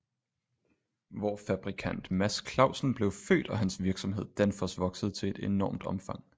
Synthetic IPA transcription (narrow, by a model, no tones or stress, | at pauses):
ʋɒfæb̥ʁikʰæn̰d̥mæskʰlɑ̈ʊsn̩b̥le̝ʊfø̰ːd̥ɒ̽ɦænsʋiɐɡ̥sɒ̽mɦe̝ð̞̰ˠd̥ænfɒsʋɒ̽ɡ̥səð̞̩ˠt͡sʰe̝e̝d̥e̝nɒːmd̥ɒ̽mfɑ̈ŋ̰